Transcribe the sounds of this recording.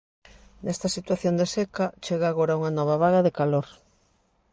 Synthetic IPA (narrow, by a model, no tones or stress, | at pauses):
nest̪ɐsit̪waθjond̪esekat͡ʃeɣaːɣoɾauŋanɔβ̞aβ̞aɣaðekaloɾ